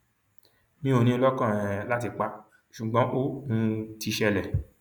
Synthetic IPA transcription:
mĩ˦o˧nĩ˦ɔ˧lɔ˦kã˦˨ɛ˨la˦t̬i˧k͡pa˧ | ʃu˨ɡ͡bɔ̃˦ʔo˦˨nũ˦ti˧ʃɛ˧lɛ˨

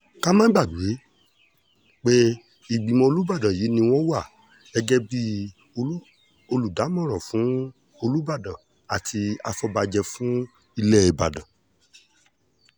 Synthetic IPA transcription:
ka˦mã˦ɡ͡ba˦˨du˨e˨˦ | k͡pe˦ | i˦˨ɡ͡bi˨mɔ̃˧o˧lu˦ba˦˨dã˨jiː˨˦nĩ˧w̃ɔ̃˦wa˦˨ | ɛ˧ɡɛ˦bi˦ | o˧˦ | o˧lu˨da˨˦mɔ̃˦˨ɾ̃ɔ̃˨fũ˨˦ | o˧lu˦ba˦˨dɔ̃˨ | a˨tʰi˧a̰˧fɔ˧ba˧d͡ʒɛ˧fũ˦ | i˧lɛ˦i˨ba̰˨dɔ̰̃˨

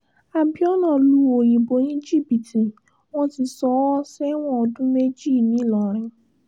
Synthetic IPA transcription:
a˨bi˦ɔ˦nã˦˨lu˨˧˦o˨j̃ĩ˨bo˨˦j̃ĩ˦d͡ʒi˦˨bi˨ti˨ | w̃ɔ̃˦ti˨˧sɔ˨˦ɔ˦sɛ˦w̃ɔ̃˦˨ɔ˧dũ˦me˦d͡ʒi˦˨nĩ˨˦˨lɔ˨ɾ̃ɛ̃˨˧

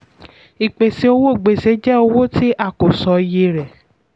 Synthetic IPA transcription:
i˨k͡pe˨si˧˦o˧wo˦˨ɡ͡be˨se˨˦d͡ʒɛ˦o˧wo˦ti˦ʔa˦˨ko˨sɔ˨˧je˧ɾɛ˨

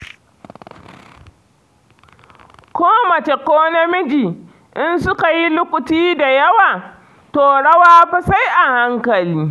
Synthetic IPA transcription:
kʷoː˦mɐ˨t͡ʃe˨koː˦nɐ˦mɪ˦d͡ʒiː˨ | ʔɪ˦nsʊ˦ka˨ji˦lʊ˦kʷʊ˨tiː˦da˨jɐ˦waː˨ | toː˨ɽɐ˦waː˦ɸɪ˦sa˦jʔa˨ha˦ŋkɐ˨liː˦

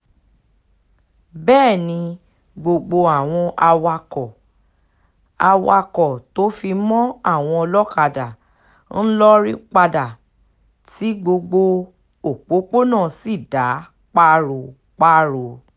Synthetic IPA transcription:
bɛː˦˨nĩ˧ | ɡ͡bo˧ɡ͡bo˧a˨w̃ɔ̃˧ʔa˧wa˧kɔ˨ | a˧wa˧kɔ˨to˨˦fi˧mɔ̃˦a˦˨w̃ɔ̃˧ɔ˧lɔ˦ka˧da˨ | n̩˦lɔ˦ɾi˦k͡pa˧da˨ | ti˨˦ɡ͡bo˧ɡ͡bo˧ | o˨k͡po˨˦k͡po˦nãː˦˨si˦˨da˨˦ | k͡pa˦ɾo˨ | k͡pa˦ɾo˧˨

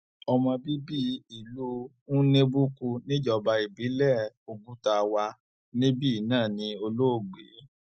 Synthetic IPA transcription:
ɔ˧mɔ̃˧bi˦bi˦i˨lu˦ | ũ˦nẽ˦bu˦ku˧nĩ˦d͡ʒɔ˧˨ba˧i˨bi˨˦lɛ˦˨o˧bu˦ta˧wa˧ | nĩ˦bi˦i˦˨nãː˦˨nĩ˧o˧lo˦o˦˨ɡ͡bḛ˨˦

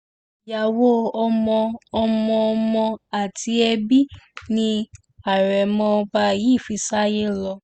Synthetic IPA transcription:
ja˨wo˦ɔ˧mɔ̃˧ɔ˧mɔ̃˧ɔ˧mɔ̃˧a˦˨ti˨˦ɛ˧bi˦nĩ˧ | a˨ɾɛ˨mɔ̃˧ba˧ji˦˨fi˨˧sa˦je˦lɔ˧

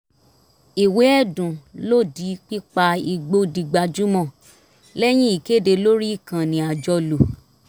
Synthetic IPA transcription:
i˨we˨˦ɛ˦˨dũ˨lo˦˨di˨˦k͡pi˦k͡pa˧i˧ɡ͡bo˦di˧ɡ͡ba˧d͡ʒu˦mɔ̃˦˨ | lɛ˦j̃ĩ˦i˨ke˦˨de˧lo˦ɾi˦i˦˨kã˨nĩ˨a˨d͡ʒɔ˧lo˨

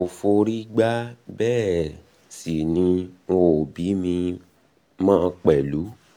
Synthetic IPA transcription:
o˨fo˧ɾi˦ɡ͡ba˦bɛː˦˨ | si˨nĩ˧o˧˨bi˨˦mĩ˧ | mãː˦˧k͡pɛ˨lu˨˦

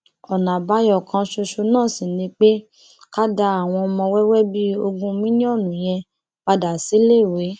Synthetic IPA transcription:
ɔ˨nã˨ba˨˦jɔ˦˨kã˧ʃo˧ʃo˧nãː˦˨si˨nĩ˧˦k͡pe˦ | ka˦da˧a˦˨w̃ɔ̃˧mɔ̃˧wɛ˦wɛ˦bi˦o˧ɡũ˧mĩ˦nĩ˦ɔ˦˨nũ˨j̃ɛ̃˧ | k͡pa˧da˨si˨˦le˦˨we˨˦

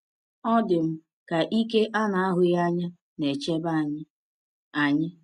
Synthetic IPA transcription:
ɔ˦dɪ˨m̩˦ | ka˨ʔi˦ke˦ʔa˦na˨a˦ɦʊ˨ja˦ɲa˦ | ne˨t͡ʃe˦ba˦˨ɲɪ˦ | a˨ɲɪ˦

